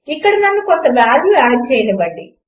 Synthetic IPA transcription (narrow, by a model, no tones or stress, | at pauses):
ikːɐɽɐnɐnːukont̪ɐʋaːljuaːt͡ʃɛjɐnɐbɐɳɖi